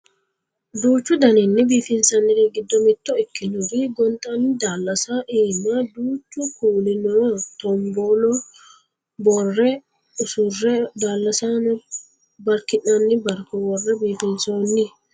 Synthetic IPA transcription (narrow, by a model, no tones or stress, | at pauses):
d̪uːt͡ʃːʊd̪ɐnɪnːɪbiːfɪnsɐnːɪɾɛɡɪd̪ːɔmɪt̪ːɔɪkːɪnʊɾiɡɔnt̪ʼɐnːɪd̪aːlːɐsaʔeːnːad̪uːt͡ʃːʊkuːlɪnɔːt̪ɔmboːlɔ | bɔrːɛ | ʊsʊrːɛd̪aːlːɐsanɔ | bɐɾkɪnːɐnːɪbɐɾkːɔbɔrːɛbiːfɪnsoːnːɪ